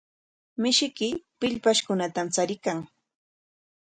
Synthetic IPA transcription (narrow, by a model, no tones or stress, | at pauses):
mɪʃɪkɪpɪʎpaʃkʊnat̪amt͡saɾɪkaŋ